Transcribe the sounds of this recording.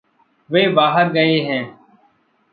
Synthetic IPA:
ʋeːbaːɦəɾɡəeːɦɛ̃ː

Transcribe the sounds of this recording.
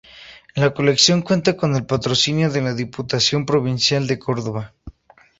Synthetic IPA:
lako̞le̞ksjo̞ŋkwe̞nt̪ako̞ne̞lpat̪ɾo̞sinjo̞ðelaðiput̪asjo̞mpɾo̞β̞insjald̪e̞ko̞ɾðo̞β̞a

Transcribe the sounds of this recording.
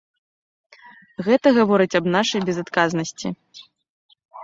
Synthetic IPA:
ɣɛt̪ɐɣavɔɾɨt͡sʲɐbnaʂɐjbʲɛzat̪kaznɐsʲt͡sʲḭ

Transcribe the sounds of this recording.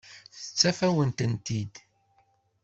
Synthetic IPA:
θə̥t͡sːæfæwənt̪ənt̪id̪

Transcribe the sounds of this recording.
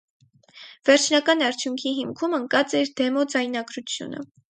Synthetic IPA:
v̥ɛɾt͡ʃʰnɑkɑnɑɾt͡ʃʰjuŋkʰiɦimkʰuməŋkɑt͡sɛɾd̪ɛmɔd͡zɑjnɑɡɾut͡sʰjṵnə̰

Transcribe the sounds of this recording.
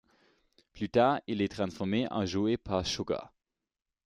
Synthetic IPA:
plyt̪aːʁilɛt̪χɑ̃sfɔʁmeʔɑ̰̃ʒuepʰaʁʃoɡa̰

